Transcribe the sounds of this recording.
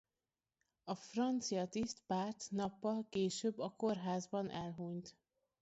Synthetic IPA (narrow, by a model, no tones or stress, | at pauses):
ɒfrɒnt̪sijɒt̪ist̪paːrt̪nɒpːɒlkeːʃøːbːɒkorɦaːzbɒnʔɛlɦuɲt̪